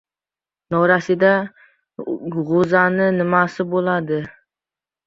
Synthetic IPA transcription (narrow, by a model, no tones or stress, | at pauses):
nɒɾasɪd̪a | ʁozanɪnɪmasɪbolad̪ɪ